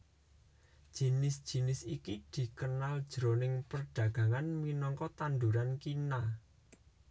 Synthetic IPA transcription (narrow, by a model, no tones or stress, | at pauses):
d̥ʒ̥i̤nɪsd̥ʒ̥i̤nɪsikid̪̥i̤kənald̥ʒ̥ɾonɪŋpərɖ̥ä̤ɡ̥ä̤ŋanminɔŋkɔt̪and̪uɾankina